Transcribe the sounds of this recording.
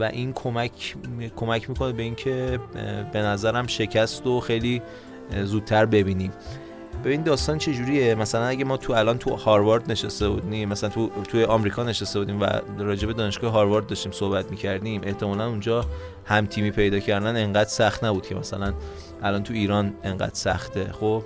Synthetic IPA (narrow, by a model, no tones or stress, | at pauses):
væʔinkʰomækʰkʰo̞mæcʰmiːkʰo̞nebe̞incʰe̞be̞næzæɾæmʃe̞cʰæst̪oxejliː | zuːd̪̚t̪ʰːæɾbe̞biːnim | bebinid̪ɒːst̪ɒːnt͡ʃʰe̞d͡ʒuɾiːjemæsælænæɟæmɒːt̪ʰuælɒnt̪ʰuhɒɾvɑɾd̪ne̞ʃest̪ebud̪imːæsælænt̪ʰut̪ʰujeʔɒːmɾiːkʰɒːne̞ʃest̪e̞bud̪iːmvæ̰ɾɒːd͡ʒe̞be̞d̪ɒːneʃɡɒːheɦɒːɾvɒɾd̪̚ːɒʃt̪iːmso̞hbæt̪ʰmiːcʰæɾd̪imʔe̞ht̪ʰe̞mɒːlænund͡ʒɒː | hæmt̪ʰiːmiːpʰe̞jd̪ɒːcʰæɾd̪æne̞ŋɢæd̪̥sæxt̪næbud̪̚cʰe̞mæsælæn | ʔælɒːnt̪ʰuiːɾɒːneŋɢæ̰ːd̪̥sæ̰xt̪e̞xob̥